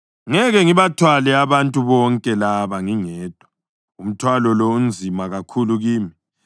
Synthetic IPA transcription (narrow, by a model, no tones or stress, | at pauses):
ŋɛɣɛŋiβatʰwalɛaβantʼuβɔŋkʼɛlaβaŋiŋɛːd̥ʱwa | um̩tʰwalɔlɔum̩d͡zʱimaɣakʰuluɣiːmi